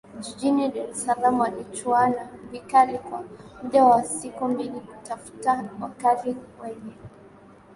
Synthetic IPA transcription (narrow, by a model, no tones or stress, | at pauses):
ʄiʄiniɗaɾɛsalamwalit͡ʃuanavikalikwamuɗawasikumbilikutafu̥tawakaliwɛɲɛ